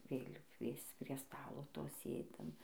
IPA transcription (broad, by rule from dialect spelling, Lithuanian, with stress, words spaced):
ˈʋʲeːlʲuː ˈkʋʲiɛst͡s pʲrʲiɛ ˈstɑːlˠoː ˈtoː ˈsʲeːdʲɪm